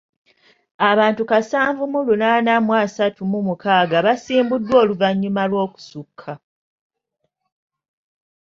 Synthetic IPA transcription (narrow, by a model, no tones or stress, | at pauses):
aβaːntukasaːɱvumulunaːnamwaːsatumumukaːɡaβasiːmbudwo̞ːluvaɲːumalwo̞ːku̥sukʰːa